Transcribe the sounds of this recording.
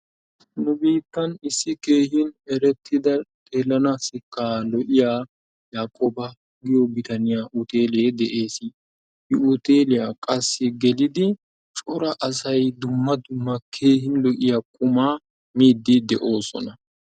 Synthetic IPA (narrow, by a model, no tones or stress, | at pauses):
nʊbiːt̪ːɐnɪsːɪke̞ːhɪnɛɾɛt̪ʰːɪd̪ɐt̪ʼe̞ːlːɐnasɪkːaːlɔʔɪjaː | jaːkʼoːbɐ | ɡɪjɔbɪt̪ɐnɪjaːʔʊt̪e̞ːleːd̪ɛʔe̞ːs | hɪʊt̪eːlɪjakʼɐsːɪɡɛlɪd̪ɪ | t͡ʃʼɔɾɐʔɐsɐjd̪ʊmːɐd̪ʊmːɐkʰe̞ːhɪnlɔʔɪjakʼʊmaː | miːd̪ːɪd̪ɛʔo̞ːsɔ̰nɐ